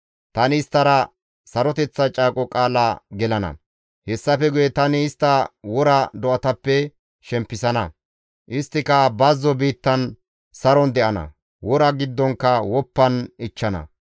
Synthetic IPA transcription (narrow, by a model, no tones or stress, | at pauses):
t̪ɐnɪɪst̪ːɐɾɐ | sɐɾɔt̪ɛt͡sːɐt͡ʃʼaːkʼɔkʼaːlɐɡɛlɐnɐ̰ | hɛsːɐfɛɡʊjɛt̪ɐnɪːst̪ːɐwɔɾɐd̪ɔʔɐt̪ɐpːɛ | ʃɛmpːɪsɐnɐ | ʔɪst̪ːɪkɐbɐzːɔbiːt̪ːɐn | sɐɾɔnd̪ɛʔɐnɐ̰ | wɔɾɐɡɪd̪ːɔŋkːɐwɔpːɐnɪt͡ʃːɐnɐ̰